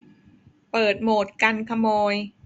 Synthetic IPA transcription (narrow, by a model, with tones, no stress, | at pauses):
pɤː˨˩t̪̚moː˨˩t̪̚ka˧nkʰa˧moː˧j